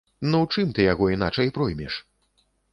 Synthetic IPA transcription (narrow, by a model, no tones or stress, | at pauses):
nɔwt͡ʂɨmt̪ɨjaɣɔinat͡ʂɐjpɾɔjmʲɛʂ